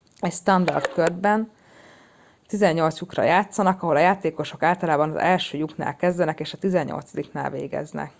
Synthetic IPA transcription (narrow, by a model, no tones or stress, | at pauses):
ɛcst̪ɒnd̪ɒ̰rt̪kørd̪bɛn | t̪izɛɲːo̞lt̪sukrɒ̰jaːt̪sɒnɒkɒɦo̞lɒjaːt̪eːko̞ʃo̞kaːlt̪ɒlaːbɒnɒ̰zɛlʃøːjukna̰ːlkɛzd̪ɛnɛkeːʃɒt̪izɛɲːo̰lt̪sɒd̪ikna̰ːlvḛːɡɛ̰znɛ̰k